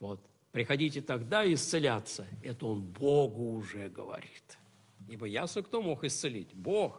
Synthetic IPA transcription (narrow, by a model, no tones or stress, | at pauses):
vot̪ | pɾʲɪxɐdʲitʲɪt̪ɐɡd̪aɪst̪sɨlʲat̪səɛt̪əonboɡʊːʐɛɡəvɐ̰ɾʲit̪ | ibəjasokt̪omo̞xɪst̪sɨlʲḭtʲbox